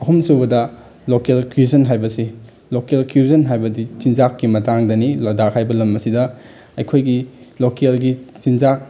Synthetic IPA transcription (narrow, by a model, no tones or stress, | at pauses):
ɐɦumsubɐdɐ | lokelkʰuzɐnɦajbɐsi | lokelkʰuzɐnɦajbɐdisinzakːimɐtaŋdɐnilɐdakhajbɐlɐmɐsidɐ | ɐjkʰojɡilokelɡit͡ʃinzak̚